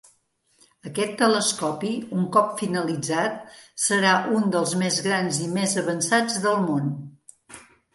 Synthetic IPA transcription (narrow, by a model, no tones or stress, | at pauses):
əkɛt̪ːələskɔpiuŋkɔpfinəlid͡zat̪̚səɾaʔund̪əlˠzmezɣɾanzimezəβənsad͡zðəlˠmon